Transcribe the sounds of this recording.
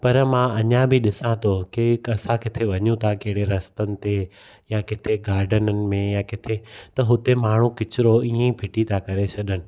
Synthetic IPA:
pɐɾmãɐɲãbʱɪɗɪsãt̪ʰokeɐsãkɪt̪ʰeʋɐɲũt̪ʰakɐɦɪɽeɾɐst̪ənɪ̆t̪e | jakɪt̪ʰeɡaːɾɖənənɪ̆mẽjakɪt̪ʰet̪ɐɦʊt̪emaːɽɳ̤ũkɪt͡ɕɪɾoiːẽpʰɪʈit̪ʰakɐɾet͡ɕʰɐɗənɪ̆

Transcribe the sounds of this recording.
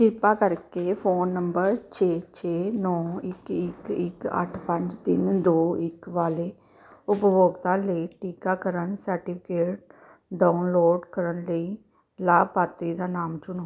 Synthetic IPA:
kʰɪɾpaːkəɾkeːpʰoːnːəmbəɾt͡ʃʰeːt͡ʃʰeːnɔːɪkɪkɪkə̰ʈʰpə̃ɲd͡ʒt̪ɪnd̪oːɪkʋaːleː | ʊpʋoːɡt̪ãːləiʈiːkaːkəɾənsəɾʈiːpʰɪkeːʈ̚ | ɖaːʊnloːɖkəɾənləiː | laːbpaːt̪ɾiːd̪aːnaːmt͡ʃʊnoː

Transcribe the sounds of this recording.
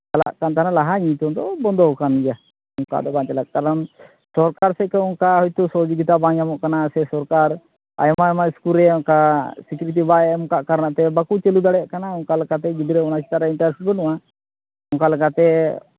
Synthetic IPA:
kala̰ʔkant̪analaɦaɲit̪ɔnd̪ɔbɔnd̪ɔɦɔkanid͡ʒa | ɔŋka̰d̪ɔbãnt͡ʃɛlak̚kaɾan | sɔɾkaɾsɛkɛɔŋkaɦɔjt̪ɔsɔd͡ʒɔɡit̪abãɲamɔʔkanasɛsɔɾkaɾ | a̰jmajmaiskuɾɛɔŋkasikjuɾit̪̬ibaɛmkaʔkaɾnaʔt̪ɛbakut͡ʃelud̪aɽɛʔkanaɔŋkalɛkat̪ɛɡid̪iɾɛɔnasi̥t̪aɾaiɳʈaɾsibɔnuwa | ɔŋkalɛkat̪ɛ

